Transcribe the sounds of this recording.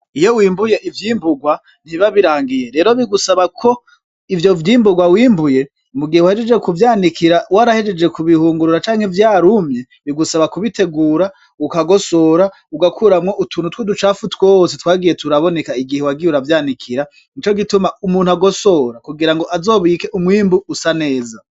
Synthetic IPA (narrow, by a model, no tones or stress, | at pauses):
ijowiːmbuje̞ʔivjiːmbuɡwa | n̥iβaβiɾaːŋɡije̞ɾe̞ɾo̞βiɡusaβakʰo̞ | ivjo̞vjiːmbuɡwawiːmbuje̞ | muɡihewahed͡ʒed͡ʒekuvjaːndikiɾawaɾahed͡ʒed͡ʒe̞kuβihuːŋɡuɾuɾat͡ʃaːŋhevjaːɾumɲe | βiɡusaβakuβitʰe̞ɡuːɾa | ukaɡo̞so̞ɾa | uɡakʰuɾamŋoʔutʰuːnutwedut͡ʃaːfutwosetwaːɡije̞tʰuɾaβone̞kaiɡihewaɡiuɾavjaːndikʰiɾa | nit͡ʃo̞ɡitumaumuːnhuaɡo̞so̞ɾakuɡiɾaŋɡo̞ʔazo̞ːβiːke̞ʔumwiːmbuusane̞ːza